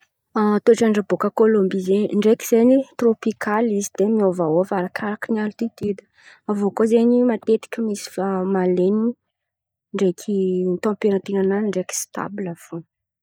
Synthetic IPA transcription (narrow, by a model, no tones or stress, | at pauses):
at̪oʈ͡ʂaɳɖ͡ʐabokəkolombizeɲɳɖ͡ʐekiz̥eɲit̪ropikʰalizid̪̥emiovaofaɾakʰaɾakənialt̪it̪yd̪ | avokozeɲimat̪et̪i̥kʲəmisi̥famaleni | ɳɖ͡ʐekʲʰit̪ãpeɾant̪inananiɳɖ͡ʐeki̥st̪a̰bulafon